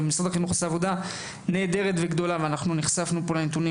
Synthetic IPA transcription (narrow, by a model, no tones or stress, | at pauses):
bemisʁad̪aχinuχaseavo̞d̪a | ne̞ːd̪e̞ʁet̪ve̞ɡd̪o̞laveanaχnuniχsafnupo̞lanet̪uni